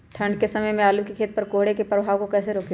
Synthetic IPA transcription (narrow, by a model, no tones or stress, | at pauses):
ʈʰə̃ɳɖkesɐməjmẽaːlukikʰeːt̪̚pəɾkoːɦɽekepɾəbʱaːʋkokɛːseɾoːk